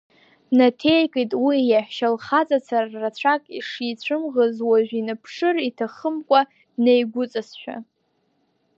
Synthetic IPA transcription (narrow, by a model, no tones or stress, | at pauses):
natʰe̞jkʼetʼwijaħʃalχat͡sʼat͡sʰarːat͡ɕʷʰakʼiʂit͡ɕʷʰɨmʁəzwaʒᶣinapʰʂɨritʰaχəmkʷʼa | dnejɡʷʊt͡sʼasʃʷᶣa̰